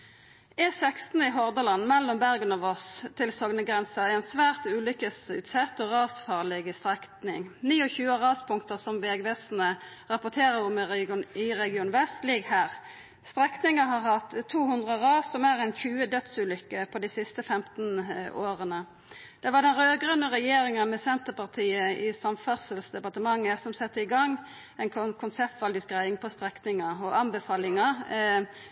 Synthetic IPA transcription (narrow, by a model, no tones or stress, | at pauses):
ɛsɛkst̪n̩ɪɦɔʁd̪əlɑnmɛlːʊmbæʁɡənɔʋɔst̪ʰɪlsɔɡnəɡʁɛnsəʁæɛnsʋæːʁt̪ʉːlʏkəsʉ̰ːt̪sɛt̪ːɔʁɑːsfɑːʁlɪɡst̪ʁɛkt̪nɪ̰ŋniːɔçʉːəʁɑːspʰʊŋkt̪əsɔmʋɛːɡʋɛsn̩ə | ʁɑpʊʁt̪ʰeːʁəʁʊmɪʁɛɡɪuːnʋɛst̪lɪɡhæːʁ | st̪ʁɛknɪŋəɦɑʁhɑt̪ːt̪ʰːuːhʉnd̪ʁəʁɑːsɔmæʁæɪnçʉːəd̪œt̪sʉːlʏkːəpʰɔd̪isɪst̪əfɛmt̪n̩oːʁənə | d̪̥ɛʋɑd̪ɛnɾøːɡʁənəʁɛjeːɾɪŋənmɛsɛnt̪əpɑʁt̪ʰiːəɪsɑmfæʁsəlsd̪ɛpɑʁt̪əmɑŋːəsɔmsɛt̪ːəɪɡɑŋː | æɪnkʰkʰʊnsɛp̚t̪ʋɑld̪ʉt̪̚ɡʁæɪɪŋpʰɔst̪ʁɛknɪŋɑɔɑnbəfɑːlɪŋɑ